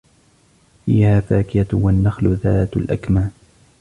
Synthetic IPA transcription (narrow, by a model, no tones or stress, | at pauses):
fiːhaːfaːkɪjawanːaxlʊðaːt̪alʔakmaː